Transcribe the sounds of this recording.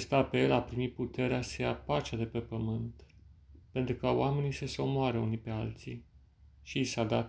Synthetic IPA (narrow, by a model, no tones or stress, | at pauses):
aest̪ape̞lapɾimit̪̚put̪e̞ɾeasejapat͡ʃad̪e̞pe̞pəmɨnt̪ | pe̞nt̪ɾukəoame̞nisəseo̞moaɾəunipe̞alt̪si | ʃiːsad̪at̪